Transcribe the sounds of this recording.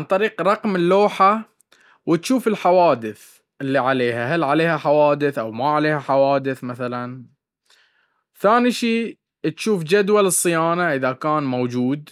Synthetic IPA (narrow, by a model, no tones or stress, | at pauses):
ʕant̪ˤɑɾiːqɾˤɑqmɪlːoːħa | wɪt̪ʃuːfɪlħawaːd̪ɪθ | ʔɪlːiʕaleːhaɦalʕaleːhaħawaːd̪ɪθʔawmaʕaleːhaħawaːd̪ɪθmaθalan | θaːniʃiː | t̪ʃuːfd͡ʒad̪walɨsˤːɨjaːnaʔɪðakaːnmawd͡ʒuːd̪